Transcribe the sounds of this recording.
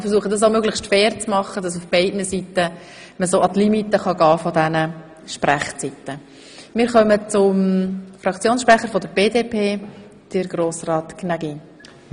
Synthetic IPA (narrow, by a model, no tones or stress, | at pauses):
fəɾsuəχədɑs̬amøɡləʃtfɛːɾt͡smɑχːəd̥ɑs̬ufb̥ɛɪdnəsitə | məsoːʔɑt̪limitəχɑɡɑːfɔdɛnə | ʃpræχt͡sitə | mɪːɾχœmət͡sʊmfɾɑkt͡sjoːnsʃpɾæχːəɾfɔdəɾb̥eːdeːpʰeː | d̥ɪɾɡ̥ɾoːsrɑːtknaɡi